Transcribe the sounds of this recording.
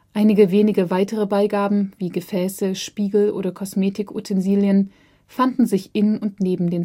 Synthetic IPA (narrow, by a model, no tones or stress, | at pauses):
ʔaɪnɪɡəveːnɪɡəvaɪtəʁ̞əbaɪɡaːbm̩viːɡəfɛːsəʃpiːɡl̩ʔo̰ːɾɐkʰɔsmeːtɪkʰo̰tʰɛnziːljən | fandn̩zɪçʔɪnʊntneːbm̩deːn